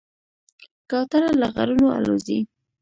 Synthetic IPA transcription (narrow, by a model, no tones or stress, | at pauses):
kɑwt̪aɾalaɣa̰ɾunoa̰lozḭ